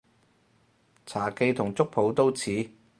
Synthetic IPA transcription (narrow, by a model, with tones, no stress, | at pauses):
t͡sʰaː˨˩ke˧jt̪ʰʊ˨˩ŋt͡sʊ˥k̚pʰo˨˥wt̪o˥wt͡sʰiː˨˥